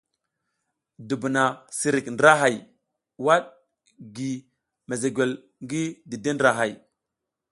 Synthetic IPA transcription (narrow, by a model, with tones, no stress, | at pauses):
du˨bu˨na˨si˨ɾi˨kndɾa˦ɦa˨j | wa˦ɗ | ɡi˨ | me˨ze˨ɡʷe˨l | ŋɡi˦di˨de˦ndɾa˨ɦa˨j